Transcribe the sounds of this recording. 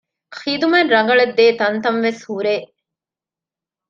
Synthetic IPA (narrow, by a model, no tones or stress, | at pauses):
xiːd̪umenɾɐŋɡɐɭed̪ːeːt̪ɐnt̪ɐnʋeshuɾeː